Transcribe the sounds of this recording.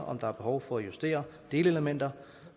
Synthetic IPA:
ʔɒ̽md̥ɑ̈æɐb̥e̝hɒʊfɒ̽æjusd̥e̝̰ːɐd̥e̝ːləeləmen̰d̥ɐ

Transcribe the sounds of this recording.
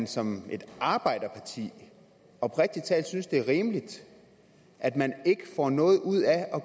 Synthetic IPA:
nsɒ̽mʔe̝d̥ɑ̈ːb̥ɑ̈ɪ̰d̥ɐpʰɑ̈t͡sʰḭː | ɒ̽b̥ʰʁɛɡ̥̚d̥it͡sʰɛ̰ːl̥synsd̥e̝ʁiːməlid̥ | ʔæd̥mæne̝ɡ̥əfɒ̰nɔ̽ːð̞̩ˠuð̰ˠæɒ̽

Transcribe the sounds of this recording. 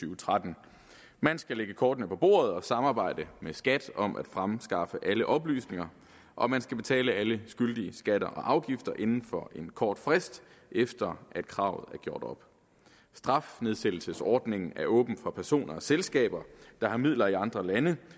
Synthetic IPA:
yːʊt͡sʰʁad̥n̩ | mænsɡ̥æleɡ̥əkʰɒːd̥nəpʰɒ̽b̥o̝̰ːɐð̞̩ˠɒ̽sɑ̈mɑ̈ːb̥ɑ̈ɪ̰d̥əmesɡ̥æd̥ɒ̽mʔæd̥fʁamsɡ̥ɑ̈fəʔæləʔɒ̽b̥ly̰ːsne̝ŋɐ | ʔɒ̽mænsɡ̥æb̥e̝t͡sʰɛ̰ːləæləsɡ̥yld̥iəsɡ̥æd̥ɐʔɒ̽ʔɑ̈ʊɡ̥ifd̥ɐʔe̝nn̩fɒ̽ʔe̝nkʰɒːd̥fʁesd̥ | ʔefd̥ɐæd̥̚kʰʁɑ̈ʊð̩ˠæɐɡ̥jo̝ɐ̰d̥ɒ̽b̥ | sd̥ʁɑ̈fne̝ðˠsed̥l̩səsɒːd̥ne̝ŋn̩æɐʔɔ̰̽ːb̥n̩fɑ̈pʰæɐso̝̰ːnʔɐɒ̽selsɡ̥ɛ̰ːb̥ɐd̥ɑ̈hɑ̈mið̰ˠlɐiɑ̈nd̥ʁɐlænə

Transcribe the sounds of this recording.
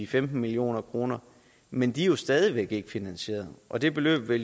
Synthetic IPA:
ifemd̥n̩milio̝̰ːnɐkʰʁo̝ːnɐ | mend̥ijo̝sd̥ɛːð̞ˠiʋeɡ̥e̝ɡ̥əfinænɕe̝̰ːɐðˠʔɒ̽d̥e̝b̥e̝lø̰ːb̥ʋel

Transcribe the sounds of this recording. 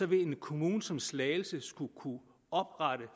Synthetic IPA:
sɒ̽ʋe̝e̝nkʰo̝muːnsɒ̽mslɛːɪl̩səsɡ̥ukʰu | ɒ̽b̥ʁɑɾ̥ə

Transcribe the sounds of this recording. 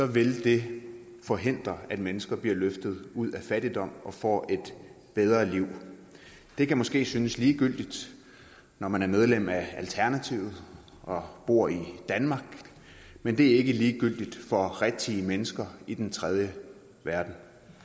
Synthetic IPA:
sɒ̽ʋe̝ld̥e̝ | fɒ̽ɦe̝n̰d̥ʁɐæd̥menəsɡ̥ɐb̥liɐløfd̥ð̞̩ˠuð̞̰ˠæfæɾ̥id̥ɒ̽m̰ʔɒ̽fɒ̰ːe̝d̥ | b̥eð̞ˠʁɐliʊ̰ | d̥e̝kʰæmɒ̽sɡ̥e̝̰ːsynəsliːɡ̥yl̰d̥id̥ | nɒmænæɐmeð̞ˠlem̰æælt͡sʰæɐnæt͡sʰiʊ̰ð̩ˠ | ʔɒ̽b̥o̝ɐ̰id̥ænmɑ̈ːɡ̥ | mend̥e̝æɐe̝ɡ̥əliːɡ̥yl̰d̥id̥fɒ̽ʁɛ̥t͡sʰiəmenəsɡ̥ɐid̥ent͡sʰʁɛð̞ˠjə | ʋæɐd̥n̩

